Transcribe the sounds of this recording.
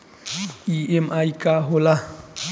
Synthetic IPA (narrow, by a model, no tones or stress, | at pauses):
iemajkaɦola